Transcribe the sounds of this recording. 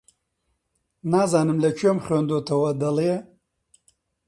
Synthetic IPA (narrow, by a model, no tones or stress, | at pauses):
naːzaːnɨmlɐt͡ʃʰemχeːnd̪oːt̪ʰɐwɐd̪ɐlije